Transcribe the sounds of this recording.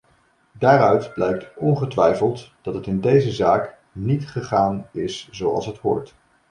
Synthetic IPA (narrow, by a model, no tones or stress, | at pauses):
daːrœɥtblɛjk̚tɔnχətʋɛjfəlˠtd̥ɑtɦətɪndejzəzaːk | nitχəχaːnɪsz̥owɑ̰lˠsɦəthʊ̰ːɹt